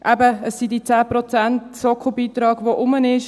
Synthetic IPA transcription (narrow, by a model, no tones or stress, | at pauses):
ʔɛbəəsːidit͡sæːprot͡sæntsɔkʰobiːt̪ɾɑːɡʋoʔʊmənɪʃ